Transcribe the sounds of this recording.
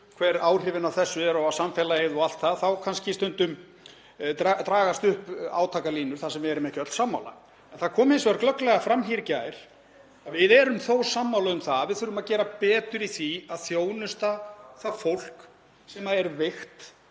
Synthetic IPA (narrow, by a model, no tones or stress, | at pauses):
kʰv̥ɛɾaːwr̥ɪvɪnawθɛsːʏɛɾɔwasamfɛlaejðɔal̥t̪θaðθawkʰanscɪst̪ʏnt̪ʏm | t̪at̪ɾaːɣast̪ʏhpa̰ːwt̪ʰaːkaliːnʏɾ̥θasɛmvɪɛɾʏmɛhcœt̪samːa̰wla̰ | ɛnθaðkʰɔːmhɪnsɔɛɾklœklɛɣafɾamɦiɾcajɾ̥ | avɪðɛɾʏmθowsamːawlaʏmθaavɪðθʏɾʏmaðcɛːɾapɛːt̪ʏɾiθiaðθjoːwnʏst̪aθaðfowl̥k | sɛmaɛɾvɪxt̪